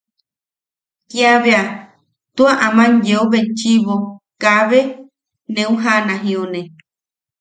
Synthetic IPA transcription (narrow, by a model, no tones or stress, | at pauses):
kiaβea | t̪uaʔamãɲjeoβet͡ʃiβokaβe | nẽũɦanãɦĩonẽ